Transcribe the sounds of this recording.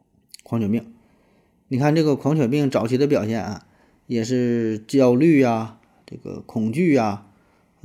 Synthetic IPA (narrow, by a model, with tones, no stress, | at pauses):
kʰwɑ˧˥ŋt͡ɕʰɔ˨˩pi˥˩ŋ | ni˨˩kʰa˥˧nʈ͡ʂɤ˥˩ɡə˩kʰwɑ˧˥ŋt͡ɕʰwɛ˨˩pi˥˩ŋʈ͡ʂɑ˧˥ʊt͡ɕʰi˧˥d̪ə˧p̬jɑ˨˩ʊɕjɛ˥˩nɐ̰˩ | jɛ˨˩ʂ̬ɻ̩˥˧t͡ɕjɑ˥˧ʊly˥˩a˩ | ʈ͡ʂɤ̰˥˩ɡə̰˩kʰʊ˨˩ŋt͡ɕy˥˩a˩